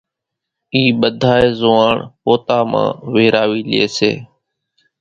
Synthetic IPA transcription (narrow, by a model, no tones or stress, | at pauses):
iːɓəd̪ʱaːeːzʊːaːɳpoːt̪aːmã̰ːʋeːɾaːʋiːlɪḛːsḛː